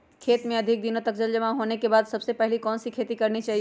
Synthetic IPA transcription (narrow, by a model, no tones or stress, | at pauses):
kʰeːt̪mẽəd̪ʱik̚d̪inot̪əkd͡ʒəld͡ʒəmaɦonekebaːd̪səbsepɛɦɪlikɔːnsikʰeːt̪ikəɾnit͡ʃaːɦi